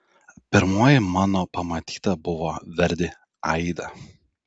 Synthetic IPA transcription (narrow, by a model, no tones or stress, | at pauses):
pʲɪɾmuːjɪmɑːnoːpɐmɐt̪ʲiːt̪ɐbʊʋoːʋʲɛɾʲd̪ʲɪ | ɐɪd̪ɐ